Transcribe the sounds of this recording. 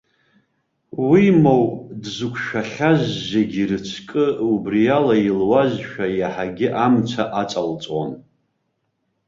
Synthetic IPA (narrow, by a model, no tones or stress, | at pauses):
wimowdzukʷʰʃᶣaχʲaʒːeɡʲirɨt͡ʃʷʰkʼɨubrijalailwazʃᶣajaħaɡʲɪʔamt͡sʷʰaʔat͡sʼalt͡sʼwa̰n